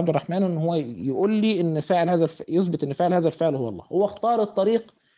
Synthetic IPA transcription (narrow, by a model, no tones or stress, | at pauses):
abd̪ɪrˤːɑħmaːnʔɪnːhʊwːæjʔuːlːiːʔɪnːfɪʕɪlhaːzælfjɪsˤbɨt̪ˤʔɪnːfɪʕlhaːzælfɪʕlhʊwːɑ̰lˤːɑ̰ːhʊwːæxt̪ɑːɾˤɨt̪ˤːɑɾiːq